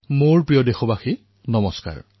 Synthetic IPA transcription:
moɹpɹijɔdexɔbaxi | nɔmɔska̰ɹ

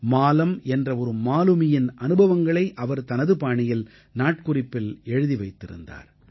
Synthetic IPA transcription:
maːlɐmɛndrɐɔɾɯmaːlɯmɪjɪnʔɐnɯbɐʋɐŋɡɐɭɐɪʔɐʋɐɾt̪ɐnɐðɯpaːɳɪjɪl | naːʈ̚kʊrɪpːɪlɛɻɯðiʋɐɪt̪ːɪɾɯ̰nd̪a̰ːɾ

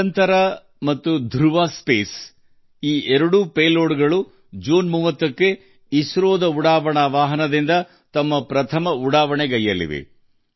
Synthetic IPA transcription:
nt̪ɐɾɐ | mɐt̪ːud̪ʱuɾʋaːspeːs | iːɛɾɐɽupeːloːɽɡɐɭu | d͡ʒuːnmuːʋɐt̪ːɐkːe | isɾoːd̪ɐuɽaːʋɐɳɐʋaːɦɐnɐd̪ind̪ɐ | t̪ɐmːɐpɾɐt̪ʰɐmɐuɽaːʋɐɳeɡɐjːɐlḭʋḛ

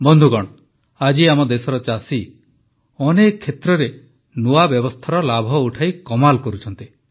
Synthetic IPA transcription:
bɔnd̪ʱuɡɔɽ̃ | ad͡ʒiamɔd̪esɔɾɔt͡ʃasi | ɔnekʰːet̪ɾɔɾe | nuabjɔbɔst̪ʰaɾɔlabʱɔuʈʰajkɔmalkɔɾut͡ʃʰɔnt̪i

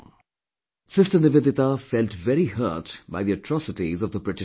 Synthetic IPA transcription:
sɪstənɪʋed̪ɪt̪afɛlʈʋɛɾihə̰ːtba̰ɪðiəʈʰɹɔsɪʈizɔvd̪əbɾɪʈɪ

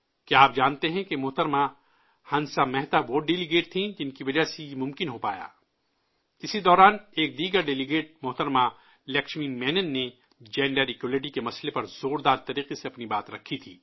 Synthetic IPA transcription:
keaːp̚d͡ʒaːnt̪eɦɛ̃kemʊɦt̪əɾma | hɐnsamɛɦt̪aʋoːɖelɪɡeːʈ̚t̪ʰĩd͡ʒɪnkiʋɐd͡ʒaɦsejemʊ̃mkɪnɦopa̰ːja̰ː | ɪsid̪ɔːɾaːneːk̚d̪iːɡəɾɖɛlɪɡeːʈ̚mʊɦt̪əɾma | lɛkʃmiːmɛːnənːe | d͡ʒɛːɳɖəɾɪkjulɪʈ̬ikemɐslepɐɾzoːɾd̪aːɾt̪ɐɾiːqeseɐpnibaːt̪ɾɐkʰːit̪ʰiː

